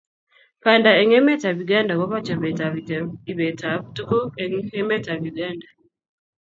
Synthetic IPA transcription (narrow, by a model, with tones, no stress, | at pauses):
pa˨nda˨e˨ŋɛ˦mɛ˦ta˨βju˨ɡaː˦nda˨ɣɔ˦βa˦t͡ʃa˨βɛ˨ta˨βiti˨βɛ˨ta˨βutu˦ku˦ɛŋɛ˦mɛ˦ta˨βjuɡaː˦nda